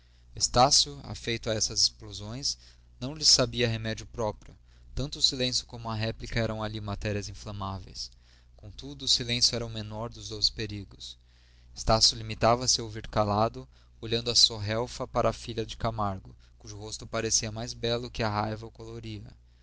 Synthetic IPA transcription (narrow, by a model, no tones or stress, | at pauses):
est̪asjʊa̰fejt̪ʊɐɛsɐzesplozõj̃s | nɐ̃w̃lɪsabiɐɦemɛd͡ʒʊpɾɔpɾʲjʊ | t̪ɐ̃nt̪ʊːsilẽsjʊ̥kõmʊɐɦɛplikɐɛɾɐ̃w̃alimat̪ɛɾiɐzĩflɐ̃mavḛjs | kõw̃t̪ud̪ʊːsilẽsjʊɛɾɐʊmenɔɾd̪ʊzd̪owspeɾiɡʊs | est̪asjʊlimit̪avɐsɪoviɾkalad̪ʊ | oʎɐ̃nd̪ʊɐsoɦɛwfɐpaɾʔɐːfiʎɐd͡ʒɪkamaɾɡʊ | kuʒʊɦost̪ʊpaɾesiɐmajzbɛlʊkɪɐɦajvɐkoloɾiɐ̰